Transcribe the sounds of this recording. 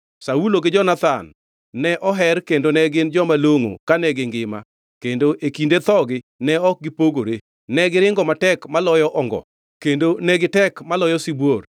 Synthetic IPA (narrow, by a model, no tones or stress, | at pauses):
sauloɡɪd͡ʒɔnat̪anː | ɛʔɔɦɛrkendonɛɡɪnd͡ʒɔmaloŋo̰kanɛɡɪŋɡɪma̰ | kendoʔekindet̪ɔɡɪ | nɛɔk̚ɡɪpoɡoɾe | nɛɡɪɾɪŋɡɔmatɛkmalɔjɔʔɔŋɡɔ̰ | kendonɛɡɪtɛkmalɔjɔsibwor